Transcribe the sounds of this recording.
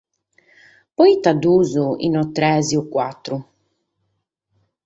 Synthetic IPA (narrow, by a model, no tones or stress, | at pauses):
pɔjt̪ad̪uːzuḭnɔt̪ːɾɛːziukːwat̪ːɾu